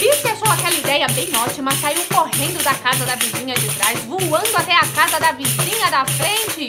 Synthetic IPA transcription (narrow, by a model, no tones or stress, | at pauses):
viskɪaʃowakɛlɐid̪ɛjɐbẽj̃ɔt͡ʃimɐsaiwkoɦẽnd̪ʊd̪ɐkazɐd̪ɐvizĩɲɐd͡ʒɪt̪ɾazvuwɐ̃nd̪ʊat̪ɛakazɐd̪ɐvizĩɲɐd̪ɐfɾẽnt͡ʃɪ